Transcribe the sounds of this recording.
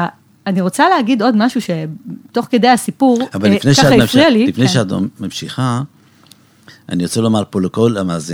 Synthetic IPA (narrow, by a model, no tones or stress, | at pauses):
aniʁo̞t͡saleɦaɡid̪o̞dmaʃuʃe̞to̞χke̞d̪ejasipuʁavalːfnejʃaaaifʁialilifnejʃeato̰mmamʃiχa | a̰niot͡selomaʁpoleko̞lamaːzi